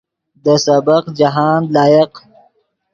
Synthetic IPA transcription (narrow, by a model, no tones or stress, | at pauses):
d̪əsɐbəqd͡ʒaɦaːnlɑːjɪq